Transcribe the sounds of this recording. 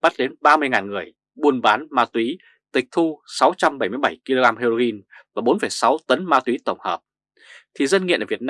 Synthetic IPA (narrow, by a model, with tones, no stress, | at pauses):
ɓa˦˥t̚ɗe˨˦nɓaː˧mɨ˧əjŋaː˨˩nŋɨ˨˩əj | ɓu˧ənɓaː˨˦nmaː˧t̪wi˨˦ | t̪ï˨˩k̚t̪ʰu˧sa˨˦wt͡ɕa˧mɓaə˧˩jmɨ˧əjɓə˧˩jki˧lo˧ɣaː˧mhe˧ɾo˧ɣi˧nvaː˨˩ɓo˨˦nfə˧˩jsa˨˦wt̪ə˨˦nmaː˧t̪wi˨˦t̪ə˧˩wŋ͡mhəː˨˩p̚ | t̪ʰi˨˩zə˧nŋḭ˧˨nʔəː˧˩vi˨˩ət̚n˧